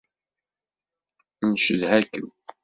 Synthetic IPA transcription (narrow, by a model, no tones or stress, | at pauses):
nʃəðhækːən